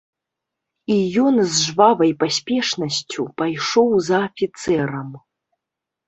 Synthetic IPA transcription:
ijɔnzʐvavɐjpasʲpʲɛʂnɐsʲt͡sʲupajʂɔwzɐːfʲit̪sɛɾɐm

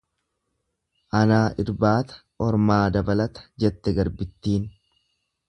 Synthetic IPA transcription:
ʔɐnaːʔɪɾbaːt̪ɐ̥ | ɔɾmaːd̪ɐbɐlɐt̪ɐ̥d͡ʒɛt̪ːɛɡɐɾbɪt̪ːiːn

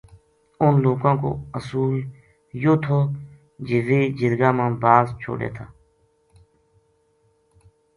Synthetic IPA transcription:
ʊnloːkãːko̰ːəsuːl | joːt̪ʰoː | d͡ʒeʋeːd͡ʒɪɾɡaːmãːbaːzt͡ʃʰo̰ːɽḛːt̪ʰaː

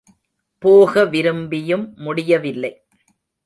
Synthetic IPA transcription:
poːɣɐʋɪɾɯmbɪjɯmːʊɽɪjɐʋɪlːɐɪ

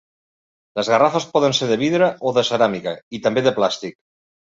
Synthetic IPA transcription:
ləzɣarafəspɔðənseɾðəβiðɾəʔoðəsəɾamikəit̪əmbeðəplast̪ik̚

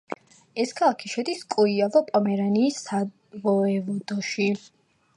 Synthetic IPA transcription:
ɛskʰalˠakʰiʃɛd̪iskʼuiavɔpʼɔmɛɾaniːsa | vɔɛvɔd̪ɔʃi

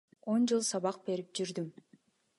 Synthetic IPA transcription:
o̞nd͡ʒɯlˠsɑβɑq̚be̞ɾip̚d͡ʒyɾd̪ym

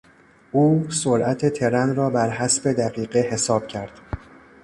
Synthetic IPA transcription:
ʔuːsoɾʔæt̪ʰe̞t̪ʰe̞ɾænɾɒːbæɾɦæsbe̞d̪æɣiːɢehe̞sɒːb̥̚cʰæɾd̪̥

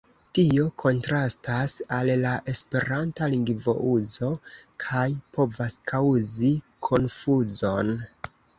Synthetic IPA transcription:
tio̞kʰo̞ntɾastasallaʔe̞spe̞ɾantaliŋɡvo̞̰ʔuzo̞kʰajpo̞vaskʰawzi | kʰo̞nfuzo̞n

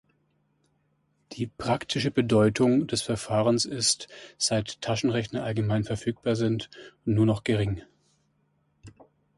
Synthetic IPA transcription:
d̥iːpʁ̥aktʰɪʃəbədɔʏtʰʊŋdɛsfɛɐfaːʁ̞ənsɪstz̥aɪtʰːaʃn̩ʁɛçnɐʔalɡəmaɪnfɛɐfyːk̚b̥aːɐzɪntʊntnuːɐnɔχɡ̥əʁɪŋ

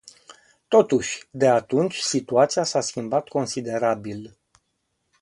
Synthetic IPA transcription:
t̪o̞t̪uʃʲd̪e̞at̪unt͡ʃʲsit̪uat̪sijasaskʲimbat̪ko̞nsid̪e̞ɾabil

